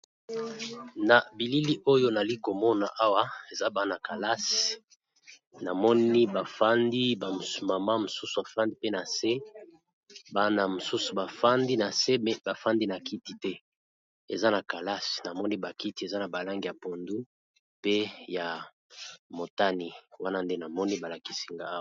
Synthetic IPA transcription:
na˨bi˨li˦li˦ʔo˦jo˦na˨li˦ko˨mɔ˦na̰˨ʔa˦wa˦e˨za˦ba˦na˨ka˨la˦s | na˨mɔ˦ni˦ba˨fa˦ndi˦ba˨ma˨ma˦mo˨su˦su˨a˨fa˦ndi˦pe˦na˨se˦ | ba˦na˨mo˨su˦su˨ba˨fa˦ndi˦na˨se˦mɛ˦ba˨fa˦ndi˦na˨ki˦ti˨tɛ˦ | e˨za˦na˨ka˨la˦si̥˨na˨mɔ˦ni˦ba˨ki˦ti˨˦e˨za˦na˨ba˨la˦ŋɡi˨a˨po˨ndu˦ | pe˦ja˨ | mo˨ta˦ni˨wa˦na˦nde˦na˨mɔ˦ni˦ba˨la˨ki̥˦si̥˨ŋɡa˦

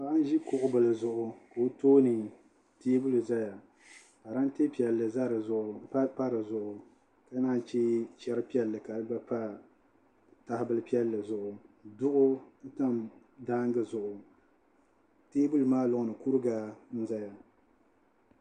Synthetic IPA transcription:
a˨ɾa˦n˦ʒi˦kʊ˨ʔʊ˨˦bɨ˨lɨ˨zʊ˨ʔʊ˦ka˨o˦toː˦nɨ˨ | teː˦bu˦lɨ˨za˦ja˨ | ka˨ɾa˦n˦teː˦pi˨ɛ˨lːɨ˨za˦ɾɨ˨zʊ˨ʔʊ˨˦pa˦ɾɨ˨zʊ˨ʔʊ˨ | ka˨˦naː˦n˨t͡ʃeː˦t͡ʃɛ˦ɾɨ˦pi˦ɛ˦lːɨ˨ka˨lɨ˦ba˦pa˦ | ta˦hɪ˦bɨ˦lɨ˦pi˦ɛ˦lːɨ˨zʊ˨ʔʊ˨dʊ˦ʔʊ˦ta˦m | daː˦ŋɡɨ˨zʊ˨ʔʊ˨ | teː˦bu˦lɨ˨maː˦lʊ˨ʔʊ˨nɨ˨ku˦ɾɨ˦ɡa˨˦n̩˦za˦ja˨

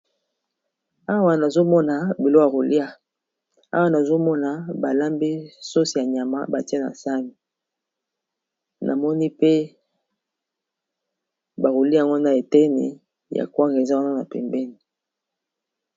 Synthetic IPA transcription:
a˦wa˨na˨zo˦mɔ˦na˨bi˨lo˦a˨ɣo˨li˦a˦ | a̰˦wa˦na˨zo˦mɔ˦na˨ba˨la˦mbe˦so˦si˨ja˨ɲ˨a˨ma̰˦ba˨ti˦e˦na̰˨sa˦mi˨ | nʔa̰˨mɔ˦ni˦pe˦ | ba˨ɣo˨li˦˨a˨ŋɡo˦na˨e˨tɛ˦nḛ˨ | ja̰˨kwa˦ŋɡe˨za˦wa˦na˦na̰˨pɛ̰˨mbɛ˦ni˨

